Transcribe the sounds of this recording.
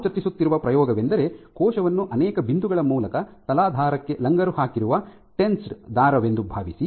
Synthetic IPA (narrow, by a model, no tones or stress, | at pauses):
t͡ʃɐt̪ːisut̪ːiɾuʋɐpɾɐjɔːɡɐʋe̞nd̪ɐɾe̞kʰɔːʃɐʋɐnːuʔɐnɛːkɐbind̪uɡɐɭɐmuːlɐkɐt̪ɐlaːd̪ʱaːɾɐkːe̞lɐŋɡɐɾuhaːkiɾuʋɐ | ʈensʈd̪aːɾɐʋe̞nd̪ubʱaːʋisi